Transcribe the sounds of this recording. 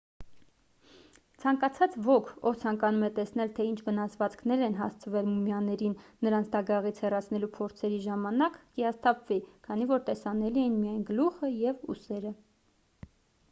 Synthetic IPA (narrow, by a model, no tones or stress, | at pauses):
t͡sʰɑŋkɑt͡sʰɑt͡svɔkʰɔvt͡sʰɑŋkɑnumɛt̪ɛsnɛlt̪ʰɛint͡ʃʰvənɑsvɑt͡skʰnɛɾɛnɦɑ̰st͡sʰəvɛlmumjɑnɛɾinːəɾɑnt͡sʰd̪ɑɡɑʁit͡sʰhɛrɑt͡sʰn̪ɛlupʰɔɾt͡sʰɛɾiʒɑmɑnɑkkiɑst̪ɑpʰvikʰɑnivɔɾt̪ɛsɑnɛliɛjinmijɑjnɡəluχəjɛvṵsɛɾə